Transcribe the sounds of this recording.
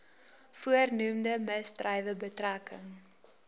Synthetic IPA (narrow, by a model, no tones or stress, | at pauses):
fuərnumdəməstrɛjvəbətrakəŋ